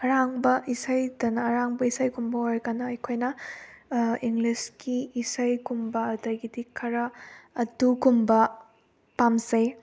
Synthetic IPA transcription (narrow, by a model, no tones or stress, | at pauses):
ɐɾaŋbɐʔisajdɐnɐɐɾaŋbɐisajkumbɐoɾkanɐɐjkʰojnɐ | iŋɡliskiːsajkumbɐːdɐjɡidikʰɐɾɐɐdukumbɐ | pamsej